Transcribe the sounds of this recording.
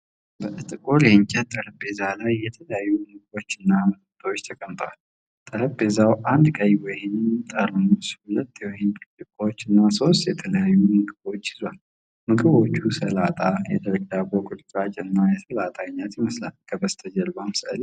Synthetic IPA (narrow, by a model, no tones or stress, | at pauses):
bəʔɨt̪ʼɨkʼoleɲt͡ʃʼɛt̪ʼːəɾəpbe̞zalajːɛt̪ʰələjajːumɨkʼɨbo̞t͡ʃːɨnːamɨk̚ʰʼɨt̪ʰʼot͡ʃːt̪ʰəkʼəmt̪ʼʰwal | t̪ʼəɾəbbe̞zawʔand̪kʼəjwɔjɪnmt̪ʼəɾmushulət̪ːjɛwɔjɪnɨt̪ɨkʼot͡ʃːɨnːaso̞st̪jɛt̪ʰələjajːumɨkʼɨbo̞t͡ʃːjɪzwal | mɨkʼɨβo̞t͡ʃːusəlat̪ʼajɛd̪əɾəɡ̪abokʼuɾt͡ʃ̪ʼat͡ʃʼɨnːajɛsəlat̪ʼaɲːat̪jɪməsla̰lkʰəbəst̪ʰəd͡ʒəlbamsʔə̰l